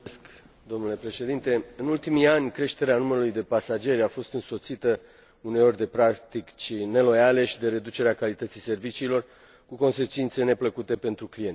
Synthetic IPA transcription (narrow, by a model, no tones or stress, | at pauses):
sk | d̪o̞mnule̞pɾe̞ʃe̞d̪int̪e̞ɨnult̪imianʲkɾe̞ʃt̪e̞ɾeanuməɾulujd̪e̞pasad͡ʒe̞ɾʲafo̞st̪ɨnso̞t̪sit̪ə | uneo̞rʲd̪e̞pɾakt̪ikt͡ʃine̞lo̞jale̞ʃid̪e̞ɾe̞d̪ut͡ʃe̞ɾeakalit̪ət̪sise̞rvit͡ʃiːlo̞r | kuko̞nse̞t͡ʃint̪se̞ne̞pləkut̪e̞pe̞nt̪ɾuklijenʲ